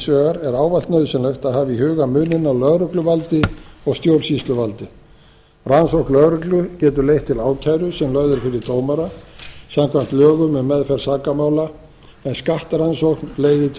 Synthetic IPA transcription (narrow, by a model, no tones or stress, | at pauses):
sœːɣaɾɛɾaːwvalt̪nœɥðsʏnlɛxt̪aðhaːvɪihʏːɣamʏːnːɪnawlœðɾʏklʏvalt̪ɪɔɣst̪jowɾ̥sist̪lʏvalt̪ɪ | ransowknlœðɾʏklʏcɛːt̪ʏlejht̪ʰːɪlaːwcʰajɾʏsɛmlœðʏɾ̥fɪɾɪɾt̪oːwmaɾasamkʰvam̥t̪lœːɣʏmʏmːɛðfɛɾ̥saːkamaːwla | ɛnskaht̪aɾansohknleːjðɪt̪ʰ